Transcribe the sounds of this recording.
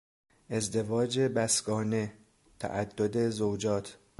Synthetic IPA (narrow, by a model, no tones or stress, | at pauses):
ʔe̞zd̪e̞vɒːd͡ʒebæsɡɒːne̞ | t̪ʰæ̰ʔæd̪ːod̪e̞zowd͡ʒɒːt̪ʰ